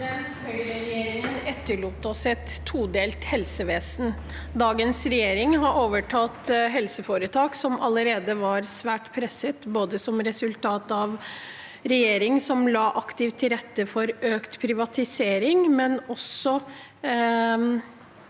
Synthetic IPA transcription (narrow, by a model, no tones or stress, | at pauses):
ɛnt̪hœʏɾəɾɛjeːɾɪŋənɛt̪ːəɭuːt̪ɔsɛt̪ʰːuːd̪eːlt̪hɛlsəʋeːsn̩ | d̪ɑːɡənsɾɛjeːɾɪŋɦɑɾʔoːʋəʈʰɑːt̪ɦɛlsəfoːɾət̪ʰɑːksɔmʔɑləɾeːd̪əʋɑɾsʋæːʈpʰɾɛsət̪boːd̪əsɔmɾɛsʉlt̪ʰɑːt̪ɑʋ | ɾɛjeːɾɪŋsɔmlɑːʔɑkt̪ɪʋt̪ʰːɪɾɛt̪ːəfɔɾøːkt̪pʰɾɪʋɑt̪ɪseːɾɪŋmɛnɔsɔ